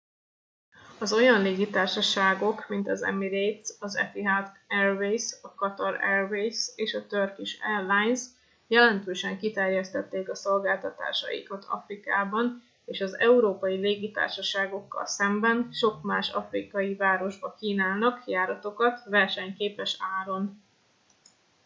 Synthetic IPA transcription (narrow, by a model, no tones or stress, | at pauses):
ɒzo̞jɒnleːɡit̪aːrʃɒʃaːɡo̞kmint̪ɒzɛ̰miɾejt̪sɒzɛ̰fiɦat̪ɛrvejsɒkɒt̪ɒɾɛrvejseːʃɒt̪ørkiʃɛ̰rlajns | jɛlɛnt̪øːʃɛŋkit̪ɛrjɛst̪ɛt̪ːeːkɒso̞lɡaːlt̪ɒt̪a̰ːʃɒ̰jḭkɒt̪ʰɒ̰frikaːbɒn | eːʃɒzɛuɾoːpɒjileːɡit̪a̰ːrʃɒʃaːɡo̞kːɒ̰lsɛmbɛnʃo̞kmaːʃɒ̰frikɒjivaːɾo̞ʒbɒkiːnaːlnɒkjaːɾɒt̪o̞kɒt̪vɛrʃɛɲkeːpɛʃaːɾo̞n